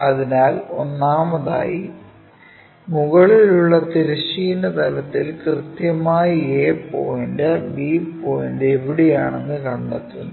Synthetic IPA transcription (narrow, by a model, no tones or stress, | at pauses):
ɐðinaːlo̞nːaːmɐða̰ːji | muɣɐɭiluɭːɐt̪eɾiɕijinːɐt̪ɐlɐt̪ːilkrɨt̪jɐmaːjieːpo̰ːjindebipoːjindeʋiɽijaːɳenːɨkɐɳɖet̪ːunːɐ